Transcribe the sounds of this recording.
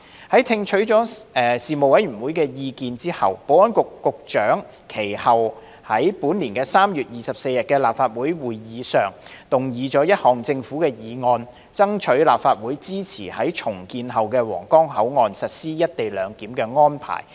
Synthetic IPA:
hɐ˨˥jt̪ʰɪ˧ŋt͡ʃʰɵ˨˥ɥt͡ʃɔː˨˥ɛː˨˩siː˨mo˨wɐ˨˥jɥy˨˩nwuː˨˥jkɛː˧jiː˧kiː˧nt͡siː˥hɐ˨wpo˨˥wɔː˥nkʊ˨kːʊ˨k̚t͡ʃœː˨˥ŋ | kʰe˨˩jhɐ˨w | hɐ˨˥jpuː˨˥nliː˨˩nkɛː˧saː˥mjyː˨˩t̚jiː˨˩sɐ˨p̚se˧jɐ˨˩t̚kɛː˧laː˨p̚faː˧t̚wuː˨˥jwuː˨jjiː˨˧sœː˨˩ŋ | t̪ʊ˨˩ŋjiː˨˧t͡sɔː˨˥jɐ˥t̚hɔː˨˩ŋt͡sɪ˧ŋfu˨˥kɛː˧jiː˨˧ŋɔː˧n | t͡sɐ˥ŋt͡ʃʰɵ˨˥ɥlaː˨p̚faː˧t̚wuː˨˥jt͡siː˥t͡sʰiː˨˩hɐ˨˥jt͡ʃʰʊ˨˩ŋkiː˧nɦɐ˨˩wkɛː˧wɔ̰ː˨˩ŋkɔː˥ŋɦɐ˨˥wŋɔː˨nsɐ˨t̚siː˥jɐ˥t̚t̪e˨jlœː˨˧ŋkiː˨˥mkɛː˧ŋɔː˥npʰa̰ː˨˩j

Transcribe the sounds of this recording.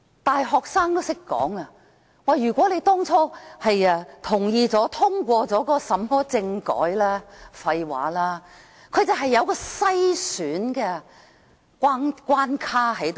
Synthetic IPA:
t̪aː˨˩jɦɔː˨k̚saː˥ŋt̪o˥wsɪ˥kːɔ̰ː˨˥ŋɐ˧ | waː˨˩jyː˨˩kʷɔ˨˥le˨˧jt̪ɔː˥ŋt͡sʰɔː˥hɐ˨jɐː˧t̪ʰʊ˨˩ŋjiː˧t͡sɔː˨˥t̪ʰʊ˥ŋkʷɔː˧t͡sɔː˨˥kɔː˧sɐ˨˥mhɔː˥t͡sɪ˧ŋkɔ̰ː˨˥jlaː˥fɐ˧jwa̰ː˨˥laː˥ | kʰɵ˨˧ɥt͡sɐ˨˧wɦɐ˨jːɐ˨˧wkɔː˧sɐ˥jsyː˨˥nkɛː˧ | kʷaː˥nkʷwaː˥nkʰaː˥ɦɐ˨˥jt̪o˨

